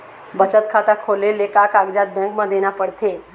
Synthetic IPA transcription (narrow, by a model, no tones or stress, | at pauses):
bət͡ʃət̪̚kʰat̪akʰolelekakaɡd͡ʒat̪̚bɛ̃ŋkmãd̪enapəɽt̪ʰe